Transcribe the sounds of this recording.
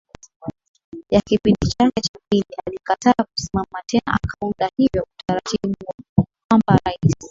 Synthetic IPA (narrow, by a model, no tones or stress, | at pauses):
jakipindit͡ʃakɛt͡ʃapinialikataku̥simamatɛna̰ʔa̰kʰaundahivjɔutaɾatiɓuhuɔkwambaɾaisi